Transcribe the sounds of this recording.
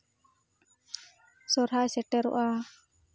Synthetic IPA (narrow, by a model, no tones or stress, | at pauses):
sɔɾɦasɛʈɛɾṵʔa